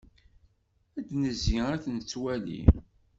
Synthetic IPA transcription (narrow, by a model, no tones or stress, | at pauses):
æd̪nəzːiæθnt͡sːwælḭ